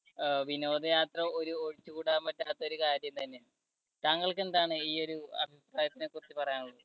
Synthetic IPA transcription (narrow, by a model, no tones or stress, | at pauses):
ʋino̞ːd̪ɐjaːt̪rɐo̞ɾuoɻit͡ɕːukuːɽaːmpɐtːaːt̪ːɐo̞ɾukaːɾjɐmt̪ɐnːe | t̪aːŋːɐɭke̞nd̪aːɳɨiːo̞ɾuɐ̰bʱipraːjɐt̪ːinekːurɐt͡ɕːɨpɐrɐjaːnuɭːɐð